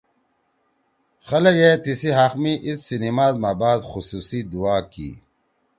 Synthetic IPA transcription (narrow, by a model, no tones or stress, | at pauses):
xɐlɐɡet̪isiɦaːxmiʔissinimaːzmaːbaːd̪xusuːsid̪uaːkḭː